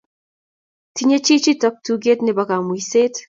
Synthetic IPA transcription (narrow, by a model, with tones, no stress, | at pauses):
tiɲe˦t͡ʃi˦t͡ʃi˦ta˦p̚tuɡe˦tni˨βa˨ka˨mwise˦t